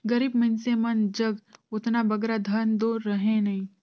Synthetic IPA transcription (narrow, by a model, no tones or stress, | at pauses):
ɡɐɾiːbmɐɪnsemɐnd͡ʒɐɡʊt̪nabɐɡɾad̪ʱɐnd̪oːɾɾɐɦẽnɐɦĩ